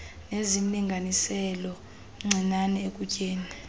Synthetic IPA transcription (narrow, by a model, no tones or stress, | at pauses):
nezim̩liŋɡʱanisɛlɔ | ŋ͡ǀʱinanɛekʼucʼeːni